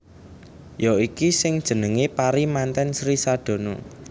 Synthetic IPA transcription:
joikisɪŋd̥ʒ̥ə̤nəŋepaɾimant̪ɛnsɾisaɖ̪̥o̤no̰

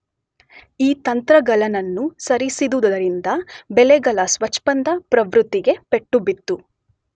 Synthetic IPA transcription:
iːt̪ɐnt̪ɾɐɡɐlɐnɐnːusɐɾisid̪ud̪ɐd̪ɐɾind̪ɐbɛleɡɐlɐsʋɐt͡ʃːpɐnd̪ɐpɾɐʋɾut̪ːiɡe̞pe̞ʈːubit̪ːu

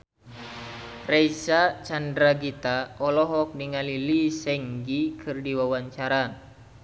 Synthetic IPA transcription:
rɛisat͡ʃandɾaɡit̪aɔlɔɦɔk̚niŋalilisɛŋɡikʰɨrdiwawaɲt͡ʃaɾa

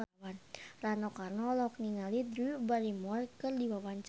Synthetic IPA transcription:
wanranɔkarnɔlɔk̚niŋalid̪ɾubaɾimɔrkɨrdiwawant͡ʃ

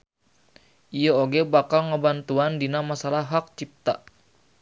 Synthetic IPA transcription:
ʔijəoɡɛbakalŋəbant̪uandinamasalaɦak̚t͡ʃip̚t̪a̰

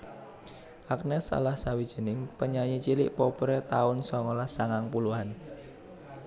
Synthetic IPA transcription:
ʔak̚nɛsa̰lahsawid̥ʒ̥ə̤nɪŋpəɲaɲit͡ʃilɪ̰ʔpɔpɾɛt̪aʊnsɔŋɔlasaŋaŋpuluan

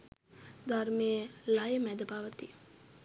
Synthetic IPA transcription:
d̪ʱaɾmejəlajəmæd̪əbaʋət̪i

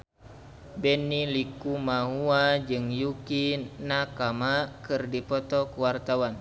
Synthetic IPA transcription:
bɛnːilikumaɦuad͡ʒɨŋjukinakamakɨrdipɔt̪ɔkuwart̪awan

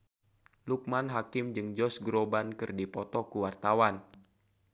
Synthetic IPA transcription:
luk̚manɦakɪmd͡ʒɨŋd͡ʒɔsɡɾobankɨrdipɔt̪ɔkuwart̪awan

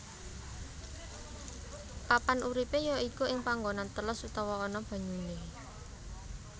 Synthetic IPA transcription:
papanʔuɾipejɔikuɪŋpaŋɡonant̪əlʊsut̪ɔwɔːnɔb̥a̤ɲune

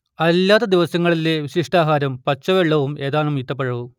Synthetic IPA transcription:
ɐlːaːt̪ːɐd̪iʋɐsɐŋːɐɭileʋiɕiʂʈaːɦaːɾɐmpɐt͡ɕːɐʋeɭːɐʋume̞ːðaːnːumit̪ːɐpːɐɻɐʋu

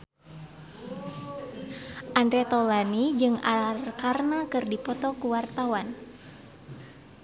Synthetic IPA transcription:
ʔandɾɛt̪ɔlanid͡ʒɨŋarkarnakɨrdipɔt̪ɔkuwart̪awan

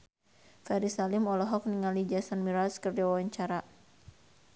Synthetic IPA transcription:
faɾisalimɔlɔɦɔk̚niŋalid͡ʒasanmiɾaskərd͡ʒawawaɲt͡ʃaɾa

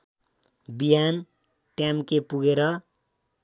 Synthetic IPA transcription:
bijan | ʈjamkepuɡeɾʌ

